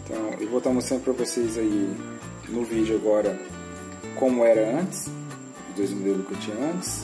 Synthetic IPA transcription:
ĩt̪ʰɐ̰̃w̃ḛwvot̪ɐ̃mʊsẽpɪpɐvosejzai | nʊvid͡ʒʊaɡɔɾɐ | kõmʊɛɾɐɐ̃nt̪ɪ̥s | d̪ojzmivelʊkewt͡ʃĩɲɐɐ̃nt̪ɪ̥s

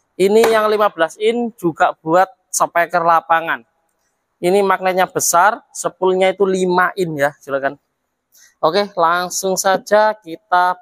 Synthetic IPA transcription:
ʔinijaŋlimab̥əlasɪnd͡ʒ̥ṳɡ̥aʔb̥ṳat̪̚səpajkərlapaŋan | inimak̚nɛt̪̚ɲab̥əsarsəpulɲait̪ulimaʔɪnjḁsulakan | ʔokelaŋsʊŋsḁd͡ʒ̥akit̪a

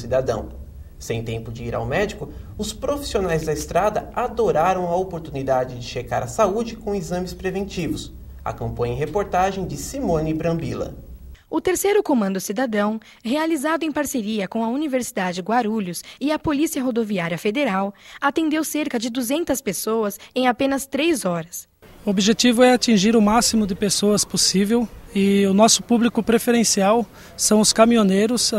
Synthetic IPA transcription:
sid̪ad̪ɐ̰̃w̃ | sẽj̃t̪ẽmpʊd͡ʒɪiɾa̰wmɛd͡ʒikʊ | ʊspɾofi̥sionajzd̪ɐɪst̪ɾad̪ɐad̪oɾaɾɐ̃w̃ɐopoɾt̪unid̪ad͡ʒɪd͡ʒɪʃekaɾɐsaud͡ʒɪkõw̃izɐ̃mɪspɾevẽnt͡ʃivʊs | ɐ̰kɐ̃mpɐ̃ɲɐ̃ɦepoɾt̪aʒẽj̃d͡ʒɪsimõnɪbɾɐ̃bilɐ̰ʊt̪eɾsejɾʊkomɐ̃nd̪ʊsid̪ad̪ɐ̃w̃ | healizad̪ʊẽj̃paɾseɾiɐkõw̃ɐuniveɾsid̪ad͡ʒɪɡwaɾuʎʊsɪɐpolisiɐɦod̪oviaɾiɐfed̪eɾawat̪ẽnd̪ewseɾkɐd͡ʒɪd̪uzẽnt̪ɐspesoɐzẽj̃apẽnɐst̪ɾezɔɾɐs | ʊobiʒet͡ʃivʊɛat͡ʃĩʒiɾʊmasimʊd̪ɪpesoɐsposivewɪʊnɔsʊ̥publikʊpɾefeɾẽsiaw | sɐ̃w̃ʊskamĩõnejɾʊs

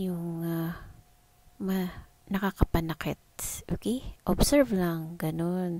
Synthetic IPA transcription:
jʊŋa | mɐ | nɐkakɐpɐnɐkɪt̪̚ʔokɛʔobsɛɹvlɐŋɡɐno̞n

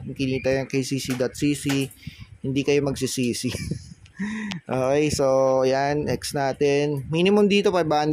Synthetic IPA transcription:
jʊkɪniːt̪ɐjɐŋkɐjsisid̪ɐt̪̚siːsihɪnd̪ikɐjomɐɡsisiːsi | ʔoːʔɛjsojanʔɛksnaːt̪ɛnmiːnɪmʊmd̪iːt̪o̞pɐɾbaɐn

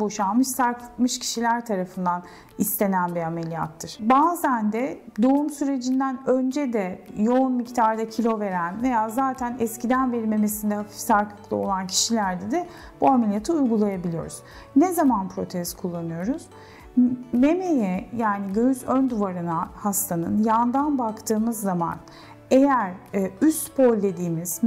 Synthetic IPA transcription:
bo̞ʃalˠmɯʃsaɾkmɯʃcʰi̥ʃilʲæɾt̪ʰaɾafɯnd̪an | ist̪ʰe̞nænbiame̞lʲija̰t̪ʰːɯɾ̥baːzænd̪ɛd̪o̞umsyɾe̞d͡ʒind̪ænø̞nd͡ʒed̪ɛjo̞nmict̪ʰaɾd̪acʰilʲo̞ve̞ɾænve̞jazaːt̪ʰænɛscid̪ænveɾime̞mesind̪ɛhafi̥saɾkɯklˠɯo̞̰lˠancʰi̥ʃilʲæɾd̪ɛd̪ɛ | b̥uameijat̪ʰiujɡulˠajabilʲijo̞̰ɾuz̥ | nezamanpʰɾo̞t̪ʰɛskʰulˠːanɯjo̞ɾuz̥ | me̞me̞jɛjaːniɟøjyzønd̪uvaɾɯnahast̪ʰanɯ̰njand̪anbakt̪ʰɯːmɯzːama̰n | e̞jæɾːyst̪pʰolʲd̪e̞d̪iːmiz̥

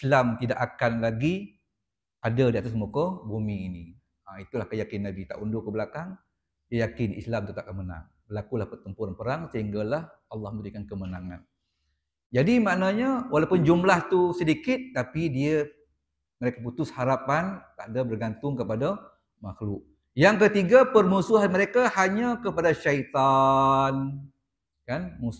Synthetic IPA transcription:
islamt̪idaʔakanlaɡi | adadiat̪asmukəbumiːni | ait̪ulahkəjakɪnlaɡit̪a̰ʔundukəbəlakaŋ | jajakɪnʔḭslamt̪ut̪aʔkəməna̰ŋ | bəlakulahpərt̪əmpuɾanpəɾaŋsəɦiŋɡalahʔɑlːɑhmdikankəmənaŋa̰n | d͡ʒadimaʔnaɲawalapʊnd͡ʒumlaht̪usədikɪt̪̚ːapidiə | məɾekaput̪ʊshaɾapant̪a̰ʔdabərɡant̪ʊŋkəpada | maxluk̚ | jaŋkət̪iɡapərmusuɦanməɾekahaɲakəpadaʃait̪an | kanmu

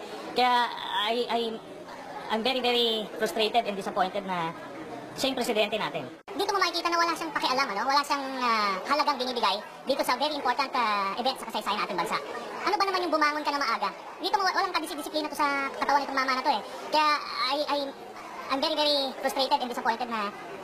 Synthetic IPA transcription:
kɐjaɐjʔɐj | ʔɐjmvɛɾivɛɾifɾʊst̪ɾejt̪ɛd̪ɛnd̪ɪsɐpo̞jnt̪ɛd̪̚nɐ | ʃɐjʊŋpɾɛsɪd̪ɛnt̪ɛnaːt̪ɛn | d̪iːt̪omomɐʔikiːt̪ɐnɐwɐlaʃaŋpɐkɛʔɐlamɐnowɐlaːʃaŋahɐlɐɡaŋbɪniːbɪɡaj | d̪iːt̪o̞sɐvɛɾiʔɪmpo̞ɹt̪ɐnt̪ɐʔɛvɛnt̪sɐkɐsɐjsaːjnŋaːt̪ɪŋbɐnsa̰ʔʔɐno̞bɐnɐmanjʊŋbʊmaːŋonkɐnɐŋmɐʔaːɡɐ | d̪iːt̪omowɐlaŋkɐd̪ɪsɪd̪ɪsɪpliːnɐt̪osɐkɐt̪ɐwanɪt̪oŋmaːmɐnɐt̪o̞ɛ | kɐjaɐjɐj | ʔɐjmvɛɾivɛːɾifɾʊst̪ɾejt̪ɛd̪ɛnd̪ɪsɐpo̞jnt̪ɛd̪̚nɐ

